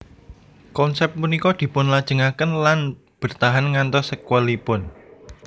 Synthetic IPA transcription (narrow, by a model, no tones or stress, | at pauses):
kɔnsɛp̚t̪̚munikɔd̪̥i̤pʊnlad̥ʒ̥əŋakənlan | b̥ə̤rt̪aɦanŋant̪ɔsəkwəlipʊn